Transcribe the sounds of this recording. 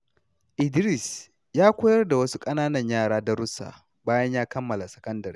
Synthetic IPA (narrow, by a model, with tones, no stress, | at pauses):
ʔɪ˨dɾɪ˦˨s | jaː˦kʷʊː˦jɐ˦rda˨wɐ˦su˦kʼɐ˦naː˦nɐ˨ɲjaː˦˨ɽaː˦da˦ɾʊ˦sa̰ː˨ | baː˦jɐ˦ɲjaː˦kɐ˦mːɐ˨la˨sɐ̥˨kɐ˦ndɐ˨i˦